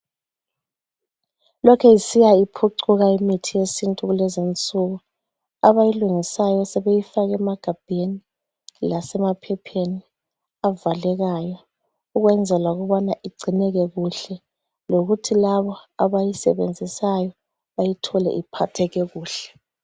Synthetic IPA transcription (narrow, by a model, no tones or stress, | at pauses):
lɔkʰɛjisijaipʰuǀuɣaimitʰijesintʼuɣulɛzint͡sʼuɣu | aβajiluŋisajɔsɛβejifaɣɛmaɡ̥ʱab̥ʱeni | lasɛmapʰɛpʰeni | avalɛɣajɔ | uɣwɛnd͡zʱɛlwaɣuβɔnaʔiɡ͡ǀʱinɛɣɛɣuɬɛ | loɣutʰilaβɔaβajisɛ̰βḛnd͡zʱisajɔ | βajitʰɔlɛ̰ʔipʰatʰɛɣɛɣuːɬɛ̥